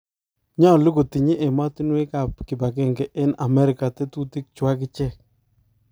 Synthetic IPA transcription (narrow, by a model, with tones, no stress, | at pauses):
ɲɔ˦˨lu˦ɡo˨ti˨ɲe˦ʔe˨ma˦ti˦nwe˦ka˨pkɪ˨ba˨kɪ˦˨ŋɡɛ˨ʔɪ˦na˨mɛ˦ɾɪ˨ka˨te˦tu˦ti˦k̚t͡ʃwa˦kɪ˦t͡ʃɛ˦˨k